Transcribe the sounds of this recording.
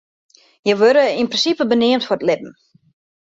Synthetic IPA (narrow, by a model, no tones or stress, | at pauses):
jəʋøɾəinprɪnsipəbənɪəmtfʊrətlɪp̚m̩